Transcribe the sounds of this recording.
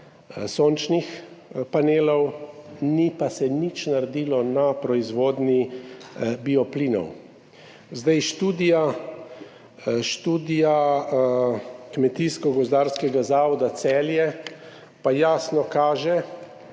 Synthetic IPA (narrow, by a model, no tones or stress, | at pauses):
soːnt͡ʃnixpaneːlɔwnipasɛnit͡ʃnaɾd̪iːlɔnapɾɔizʋoːd̪ni | biɔpliːnɔ̰w | zd̪ajʃt̪uːd̪ija | ʃt̪uːd̪ija | kmɛt̪iskɔɡɔzd̪aːɾskɛɡazaːʋɔd̪at̪sɛːljɛ | pajaːsnɔkaːʒɛ